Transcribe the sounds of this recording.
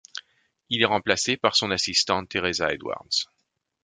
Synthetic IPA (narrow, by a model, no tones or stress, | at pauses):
ilɛʁɑ̃plasepaʁsɔ̃nasist̪ɑ̃t̪eʁezaḛd̪wa̰ʁd̪z̥